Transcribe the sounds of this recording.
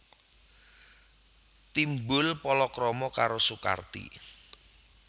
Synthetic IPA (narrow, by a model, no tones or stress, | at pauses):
t̪imbʊlpɔlɔkɾɔmɔkaɾosuka̰rt̪ḭ